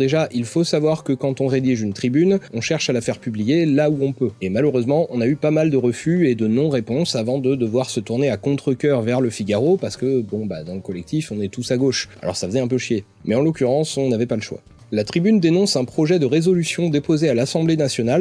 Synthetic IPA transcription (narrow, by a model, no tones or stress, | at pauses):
d̪eʒaʔilfosavwaʁkəkɑ̃t̪ɔ̃ʁed̪iʒynt̪χibynɔ̃ʃɛʁʃalafɛʁpyblijelauɔ̃pøemaløʁøzmɑ̃ʔɔ̃naypamald̪əʁəfyed̪ənɔ̃ʁepɔ̃savɑ̃d̪əd̪əvwaʁsət̪uʁneakɔ̃t̪χəkʲœʁvɛʁləfiɡaʁopaʁsə̥kəbɔ̃bad̪ɑ̃ləkɔlɛk̚t̪ifɔ̃nɛt̪usaɡoʃa̰lɔ̰ʁsafəzɛɛ̃p̬øʃje | mɛɑ̃lɔkʲyʁɑ̃sɔ̃navɛpaləʃwa̰ | lat̪χibynd̪enɔ̃sɛ̃pχɔʒɛd̪əʁezɔlysjɔ̃d̪epozealasɑ̃blenasjɔnal